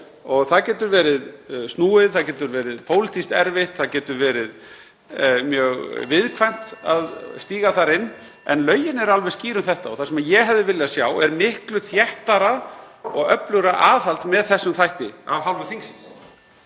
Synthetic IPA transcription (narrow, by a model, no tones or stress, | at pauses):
ɔɣθaðcɛːt̪ʏɾvɛːɾɪðstnuːɪðθaðcɛːt̪ʏɾvɛːɾɪðpʰoːwlɪt̪ʰist̪ɛɾvɪht̪θaðcɛːt̪ʏɾvɛːɾɪð | mjœːɣvɪðkʰvajn̥t̪aðst̪iːɣaθaɾɪnː | ɛnlœːɥjɪnɛɾalvɛɾsciːɾʏmθɛht̪aɔθḁsɛmajɛɣɦɛvðɪvɪlɪðasjaːwɛɾmɪhklʏθjɛht̪aɾaɔɣœplʏɣɾaʔaːθalt̪mɛðθɛsːʏmθajht̪ɪavhalvʏθiŋksɪns